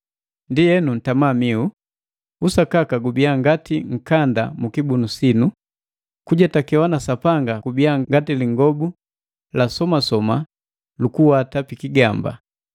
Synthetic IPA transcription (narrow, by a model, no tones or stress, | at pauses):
ndijɛnun̩tamamiu | usakakaɡubiaŋɡatiŋ̩kanda̰mukibunusinu | kuɟatakɛwanasapaŋɡakubiaɡatiliŋɡɔbu | lasɔmasɔma | lukuwatapikiɡamba̰